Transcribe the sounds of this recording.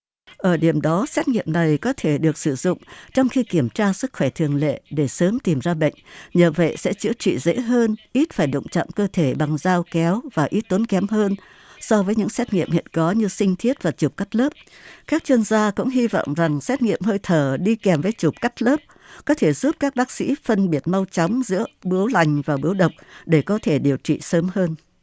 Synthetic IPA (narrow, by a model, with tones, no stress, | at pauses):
ʔəː˧˩ɗi˧˩əmɗɔ˨˦sɛ˦˥t̚ŋḭ˧˨əmna˨˩jkɔ˨˦t̪ʰe˧˩ɗɨ˨˩ək̚sɨ˧˩zʊ̰˧˨ŋ͡mt͡ɕɔ˧wŋ͡mxi˧ki˧˩əmt͡ɕaː˧sɨ˦˥k̚xwɛ˧˩t̪ʰɨ˨˩əŋlḛ˧˨ɗe˧˩səː˨˦mt̪i˨˩mzaː˧ɓə̰˧˨jŋ̟ɲəː˨˩və̰˧˨jsɛ̰˧˥t͡ɕɨ̰˧˥ət͡ɕḭ˧˨zḛ˧˥ɦəː˧nʔi˦˥t̚faː˧˩jɗʊ̰˧˨ŋ͡mt͡ɕɔ̰˧˨mkəː˧t̪ʰe˧˩ɓa˨˩ŋzaː˧wkɛ˨˦wvaː˨˩ʔi˦˥t̚t̪u˨˦nkɛ˨˦mɦəː˧n | sɔ˧vəː˨˦jɲɨ̰˧˥ŋsɛ˦˥t̚ŋḭ˧˨əmhḭ˧˨ənkɔ˨˦ɲɨ˧sï˧ŋ̟t̪ʰi˦˥ət̚vaː˨˩t͡ɕu˨˩p̚ka˦˥k̚ləː˦˥p̚kaː˦˥k̚t͡ɕwi˧ənzaː˧kʊ̰˧˥ŋ͡mɦi˧vɔ̰˧˨wŋ͡mza˨˩ŋsɛ˦˥t̚ŋḭ˧˨əmhəː˧jt̪ʰəː˧˩ɗi˧kɛ˨˩mvəː˨˦jt͡ɕu˨˩p̚ka˦˥k̚ləː˦˥p̚ | kɔ˨˦t̪ʰe˧˩zu˦˥p̚kaː˦˥k̚ɓaː˦˥k̚sḭ˧˥fə˧nɓi˦˩ət̚ma˧wt͡ɕa˨˦wŋ͡mzɨ̰˧˥əɓɨ˨˦əwla˨˩jŋ̟vaː˨˩ɓɨ˨˦əwɗə˨˩wk͡p̚ɗe˧˩kɔ˨˦t̪ʰe˧˩ɗi˨˩əwt͡ɕḭ˧˨səː˨˦mhəː˧n